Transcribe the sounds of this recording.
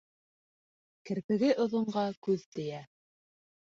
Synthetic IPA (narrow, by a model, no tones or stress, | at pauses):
kɘ̆ɾpɘ̆ɡɘʔŏðŏɴɢɑkʉðt̪ɘ̆jæ